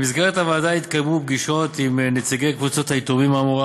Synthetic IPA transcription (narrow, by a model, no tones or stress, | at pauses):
mizɡeʁet̪havaːdait̪kajmub̚ɡiʃo̞t̪imnet͡siɡejkvut͡so̞t̪hait̪omimamoʁa